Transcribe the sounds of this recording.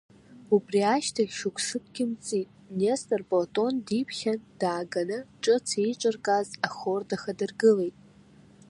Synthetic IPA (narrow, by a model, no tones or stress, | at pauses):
ubriaʃtʰaɡʲʃʊkʷʰʂɨpʰʼɡʲɪmt͡sʼitʼnestʼarpʼoltʼo̞ndipʰχʲand̥aːɡanɨʈ͡ʂʼɨt͡sʰiʈ͡ʂʷʼɨrkʼazaχordaχadɨrɡɨle̞jtʼ